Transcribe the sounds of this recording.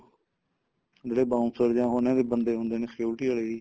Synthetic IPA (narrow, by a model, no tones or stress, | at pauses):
d͡ʒeːɽeːbaːʊ̃nsəɾd͡ʒãːɦoːnjãːd̪eːbənd̪eːɦõːnd̪eːneːseʊʈiːaːɭeːiː